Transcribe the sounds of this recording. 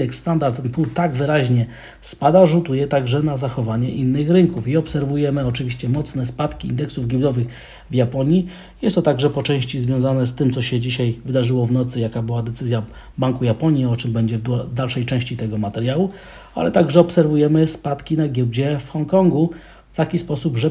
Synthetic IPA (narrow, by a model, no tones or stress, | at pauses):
d̪ɛksːt̪and̪aɾt̪ɛnpuwt̪aɡvɘɾaʑɲɛ | spad̪aʐut̪ujɛt̪aɡʐɛnazaxɔvaɲɛʔinːɘxɾɘŋkufiɔpsɛɾvujɛmɘɔt͡ʂɘvʲiɕt͡ɕɛmɔt̪snɛspat̪kʲiḭnd̪ɛksuvɡʲiwd̪ɔvɘx | vjapɔɲji | jɛst̪ɔt̪aɡʐɛpɔt͡ʂɛ̃w̃ɕt͡ɕizvʲjɔ̃w̃zanɛst̪ɘmt̪sɔɕɛd͡ʑiɕajvɘd̪aʐɘwɔvnɔt̪sɘjakabɘwad̪ɛt̪sɘzʲja | baŋkujapɔɲjiɔt͡ʂɘmbɛɲd͡ʑɛvd̪alʂɛjt͡ʂɛ̃w̃ɕt͡ɕit̪ɛɡɔmat̪ɛɾjawu | a̰lɛt̪aɡʐɛɔpsɛɾvujɛmɘspat̪kʲinaɡʲjɛwd͡ʑɛfxɔŋkɔŋɡu | ft̪akʲispɔsubʐɛ